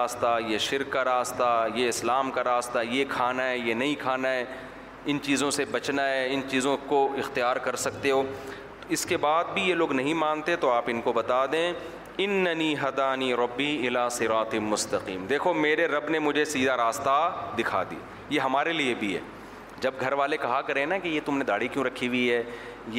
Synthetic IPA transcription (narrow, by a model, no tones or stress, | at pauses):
st̪ajeʃɪɾkːaɾaːst̪ajeɪslaːmkaɾaːst̪ajekʰaːnaɦɛjenɐɦĩkʰaːnaɦɛː | ɪnt͡ʃiːzõsebɐt͡ʃnaɦɛɪnt͡ʃiːzõkoɪxt̪ijaːɾkɐɾsɐkt̪eɦoː | ɪskebaːd̪̚bʱijeloːɡnɐɦĩmãːnt̪et̪oaːpɪnkobɐt̪ad̪ẽː | ɪnːɐniːɦɐd̪aːniːɾɐbːiːɪlaːsɪɾaːt̪mʊst̪ɐqḭːmd̪eːkʰomeːɾeɾɐbnemʊd͡ʒʱesiːd̪aɾaːst̪ad̪ɪkʰa̰d̪ḭa̰ | jeɦɐmaːɾeliebʱiɦɛ̰ː | d͡ʒɐb̚ɡʱɐɾʋaːlekɐɦakɐɾẽnakejet̪ʊmned̪aːɽikjũɾɐkʰːiwiɦɛː | je